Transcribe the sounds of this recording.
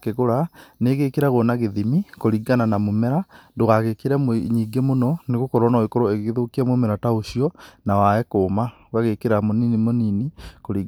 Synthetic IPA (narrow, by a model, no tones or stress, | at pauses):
keɣoɾaneɣekeɾaɣonaɣeðimikoɾiɡananamomɛɾandoɣaɣekeɾɛmoɲiːɡemonɔneɣokɔɾwɔnaekoɾoeɣɣeðokiɛmomɛɾataoʃijɔnawaɛkoːma | ɣaɣekeɾamoninimoninikoɾiɡ